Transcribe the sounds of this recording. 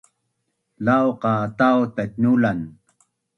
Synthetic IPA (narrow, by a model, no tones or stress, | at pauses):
lawqaːt̪awt̪atnulan